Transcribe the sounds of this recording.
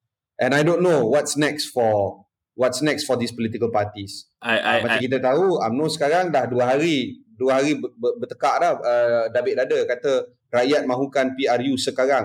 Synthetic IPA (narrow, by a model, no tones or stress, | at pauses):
ʔɛ̃najdonːowɔtsnɛksfɔ | wɔt̪snɛksfɔd̪ispɔlit̪ikəlpat̪is | amaikit̪̬ət̪auajmnosə̥kaɾaŋdahduəɦaɾiduəɦaɾibbəbət̪əkaʔlahədabɪʔ̚dadəkat̪ə | rajat̪̚mãɦukanpiarjusəkaɾaŋ